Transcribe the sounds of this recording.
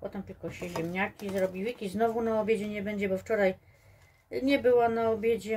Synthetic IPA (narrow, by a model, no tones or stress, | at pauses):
pɔt̪ɛmt̪ɘlkɔɕɛʑɛmɲakʲizɾɔbʲiwɘkʲiznɔvunaɔbʲjed͡ʑɛɲɛbɛɲd͡ʑɛbɔft͡ʂɔɾaj | ɲɛbɘwanaɔbʲjed͡ʑɛ